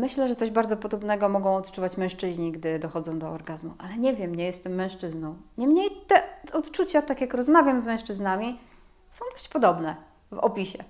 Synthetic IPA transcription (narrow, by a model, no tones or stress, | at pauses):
mɘɕlɛʐɛt̪sɔʑbaɾdzɔpɔd̪ɔbnɛɡɔmɔɡɔ̃w̃ɔt̪t͡ʂuvat͡ɕmɛ̃w̃ʂt͡ʂɘʑɲiɡd̪ɘd̪ɔxɔd̪zɔ̃w̃d̪ɔɔɾɡazmuʔalɛɲɛvʲjɛmɲɛjɛst̪ɛmːɛ̃w̃ʂt͡ʂɘznɔ̃w̃ɲɛmɲejt̪ɛɔt̪t͡ʂut͡ɕat̪akʲjakɾɔzmavʲjamzmɛ̃w̃ʂt͡ʂɘznamʲi | sɔ̃w̃d̪ɔɕt͡ɕpɔd̪ɔbnɛ | vɔ̰pʲiɕɛ